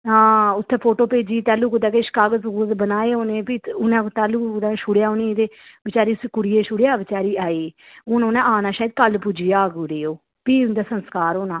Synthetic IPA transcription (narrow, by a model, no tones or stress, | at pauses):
ɦãːʊt̪ʰːeːpʰoːʈoːpeːd͡ʒiːt̪ɛːluːkod̪aːkeʃkaːɡəzud̪bənaːeːoːneːpiːʊnãːt̪ɛːluːnãːʃʊɽjaːʊnĩːd̪eːbɪt͡ʃaːɾiːskʊɾɪeːʃʊɽejaːʋɪt͡ʃaːɾiːaːiː | ʊːnoːnãːaːnãːʃaːjd̪̚kəlpʊd͡ʒijaːɡuːɾeːoː | piːʊnd̪aːsənskaːɾoːnãː